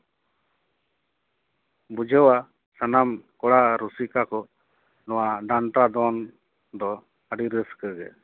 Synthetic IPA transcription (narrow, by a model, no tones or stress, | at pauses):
bud͡ʒʱɛwa | sanamkɔɽaɾusikakɔ | nɔwaɖant̪ɾad̪ɔn | d̪ɔ | əɖiɾəskəɡɛ̰